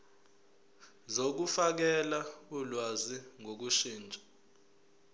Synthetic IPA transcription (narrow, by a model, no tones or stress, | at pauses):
zok̬ufak̬ɛlaulwaziŋʱok̬uʃiːnd͡ʒʱʼḁ